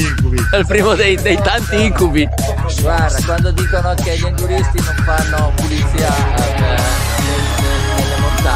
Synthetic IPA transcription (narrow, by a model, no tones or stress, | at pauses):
iŋkubiɛlpɾiːmod̪ejd̪ejt̪ant̪iiŋkubi | ɡward̪akwand̪od̪iːkonokeʎaŋɡuɾist̪inoɱfanːopulit̪siːaale | et̪e | nelːemont̪a